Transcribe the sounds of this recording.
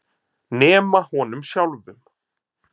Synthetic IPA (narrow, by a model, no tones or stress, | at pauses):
nɛːmahɔːnʏmsjawlvʏm